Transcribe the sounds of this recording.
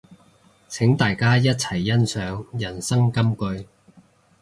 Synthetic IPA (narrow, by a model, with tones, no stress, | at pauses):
t͡sʰɪ˨˥ŋt̪aː˨jkaː˥jɐ˥t̚t͡sʰɐ˨˩jːɐ˥nsœː˨˥ŋjɐ˨˩nsɐ˥ŋkɐ˥mkɵ˧ɥ